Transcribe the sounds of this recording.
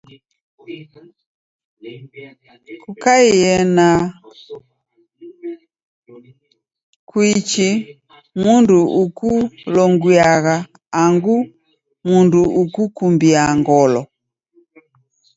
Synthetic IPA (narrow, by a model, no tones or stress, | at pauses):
kukaiɛna | kwit͡ʃi | munduʔukulɔŋɡiaɣaː | ŋɡu | munduʔukukumbiaŋɡɔlɔ